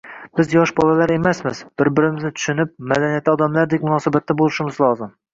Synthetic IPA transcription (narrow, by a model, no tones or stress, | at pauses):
b̥ɪzjɒʃbɒlˠalaɾe̞masmɪz̥b̥ɪɾbɪɾɪmɪznɪt̪ʰʊ̥ʃɪnɪp̚mad̪anijat̪ʰːɒd̪amlaɾd̪ekʲmʊnɒsabat̪ʰːabolˠɪʃɪmɪzlˠɒzɪm